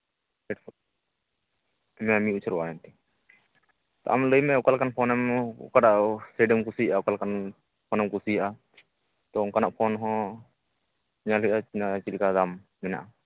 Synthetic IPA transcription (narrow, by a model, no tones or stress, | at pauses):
ɛʈʰ | mɛamĩut͡ʃʰɾwaɛnt̪ɛ | t̪ɔ̰ʔamləjmɛɔkalkanpʰɔnɛm̰kaɖaʔseɖəmkusijʔaɔkalkan | pʰɔnɛmkusijaʔa | t̪ɔɔkanaʔpʰɔnɦɔ̃ | ɲaləjʔaat͡ʃilkad̪am | mɛna̰ʔa